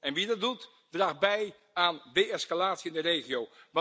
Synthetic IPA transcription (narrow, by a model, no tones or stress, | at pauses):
ɛnʋidɑd̚dut | draːχbɛj | aːnʋejɛskalaːtsiɪndərejχiowʋ